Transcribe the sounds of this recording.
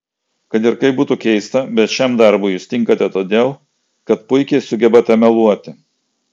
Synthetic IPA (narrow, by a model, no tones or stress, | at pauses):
kɐt̪ɪɾkɐɪbuːt̪ukʲɛɪst̪ɐbʲɛt̪ʃʲɛmd̪ɐɾbʊjuːst̪ʲɪŋkɐt̪ʲɛt̪oːd̪ʲeːlˠ | kɐt̪pʊɪkʲɛɪsʊɡʲɛbɐt̪ʲɛmʲɛlˠuɔt̪ʲɪ